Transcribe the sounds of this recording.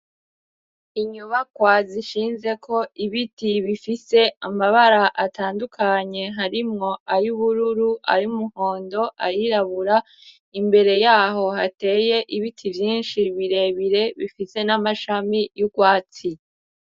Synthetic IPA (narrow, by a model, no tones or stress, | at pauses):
iɲuβakwaziʃiːnze̞kʰo̞iβitiβifise̞amaβaɾaʔataːndukʰaɲe̞ɦaɾimŋo̞ajuβuɾuɾuʔa̰ɾiumuho̞ːndo̞ʔajiɾaβuɾa | imbe̞ɾe̞jaːɦo̞hate̞ːje̞ʔiβitʰivjiːnʃiβiɾe̞βiɾe̞βifise̞namaʃamijuɡwaːt͡si